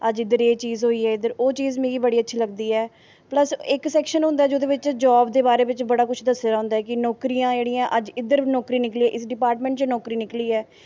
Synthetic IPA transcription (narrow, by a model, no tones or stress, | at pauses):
əd͡ʒɪd̪əɾeːt͡ʃiːzɦoːiːɛːɪd̪əɾoːt͡ʃiːzmẽːɡiːbəɽiːətːʃʰiːləɡd̪iːɛː | pləsɪksɛːkʃənɦʊ̃nd̪aːd͡ʒoːd̪eːʋɪt͡ʃd͡ʒaːbd̪eːbaːɾeːbɪt͡ʃbəɽaːkʊt͡ʃʰd̪əsːəɾaːʊ̃ːnd̪aɦɛːkɪnɔːkɾijãːd͡ʒeːɽiːãːʔəd͡ʒɪd̪əɾnɔːkɾiːnɪkliːɛːʔɪsɖɪpaːɾʈmɛ̃ɳʈt͡ʃnɔːkɾiːnɪkliːɛː